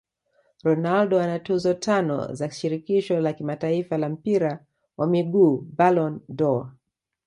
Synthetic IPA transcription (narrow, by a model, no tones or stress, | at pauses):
ɾɔnaldɔanatuzɔtʰanɔ̰zḁʃiɾikiʃɔlakimataifalam̩piɾa | wʔamiɡuːbalɔndɔa̰